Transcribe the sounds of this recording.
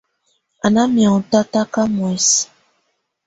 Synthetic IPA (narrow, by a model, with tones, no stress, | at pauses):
a˨na˦mja˨ta˦ta˦ka˦mwɛ˨s